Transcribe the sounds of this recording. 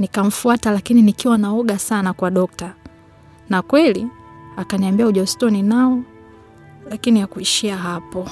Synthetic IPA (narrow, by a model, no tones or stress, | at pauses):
nikam̩fuatalakininikiwanaɔɠasanakwaɗɔk̚ta | nakwɛli | akaniambiauʄastɔninaɔ | lakinijakuiʃiaɦapɔ